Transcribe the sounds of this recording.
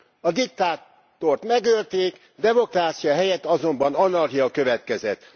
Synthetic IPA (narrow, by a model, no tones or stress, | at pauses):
ɒd̪ik̚t̪aːt̪ː | o̞rt̪mɛɡølt̪eːk | d̪ɛmo̞kraːt̪sijɒɦɛjɛt̪ːɒzo̞mbɒnɒnɒrɦijɒkø̞vɛt̪kɛzɛt̪